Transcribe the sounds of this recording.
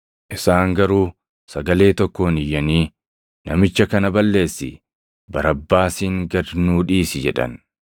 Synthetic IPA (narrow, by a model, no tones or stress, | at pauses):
ʔɪsaːŋɡɐɾuː | sɐɡɐle̞ːt̪ɔkːoːnɪjːɐniː | nɐmɪt͡ʃːɐkɐnɐbɐlːe̞ːsːɪ̰ | bɐɾɐbːaːsiːŋɡɐd̪nuːᶑiːsɪd͡ʒɛᶑɐ̰n